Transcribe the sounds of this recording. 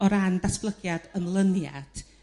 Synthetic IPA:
ɔɾandasb̥lˠəɡjad̥ənlˠənja̰d̥

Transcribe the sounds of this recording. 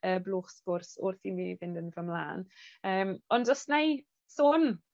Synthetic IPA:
əːblˠuːχsb̥ʊrsʊrθiniːvɪndənvəmlˠa̰ːnəːmɔndɔstnaj | soːn

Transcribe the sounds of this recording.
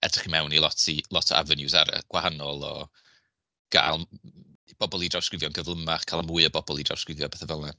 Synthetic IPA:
ɛ̰d̥rɪχimɛwnilˠɔtʰilˠɔtʰɔʔa̰vɛnjusaɾə̰ɡ̥wahanɔlˠɔ̰ | ɡ̥a̰ːlˠ | b̥ɔbɔlˠidrawskrɪvjɔnɡəvlˠəmaχkʰaːlˠamuːɨəbɔbɔlˠida̰wskrɪvjɔbɛːθavɛlˠna

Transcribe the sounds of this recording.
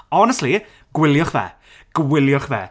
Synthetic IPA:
ɔnɛstli | ɡ̥wɪlˠjɔχvɛ̰ː | ɡ̥wɪljɔχvɛ̰

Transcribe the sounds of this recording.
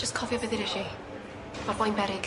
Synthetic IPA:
d͡ʒəskʰɔvjɔvɪðɪɾɪʃi | mabɔjnbɛɾɪɡ

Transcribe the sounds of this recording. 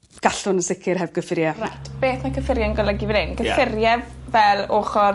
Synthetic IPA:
ɡ̥aɬʊnəsɪkʰɪrɦɛvɡəfɪɾjɛrajtʰb̥eːθmakʰəfɪɾjaənɡɔlˠəɡivɛnɪnɡəfɪrjɛvvɛlˠoːχɔ

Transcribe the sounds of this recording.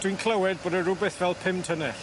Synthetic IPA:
d̥winkʰl̥ˠəwɪd̚boːdəɾʊbɨθvɛlˠpʰɪmtʰənɛ

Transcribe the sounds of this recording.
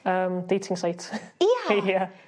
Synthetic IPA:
ʌmd̥eːtʰɪ̃ŋsaɪtjæjæ

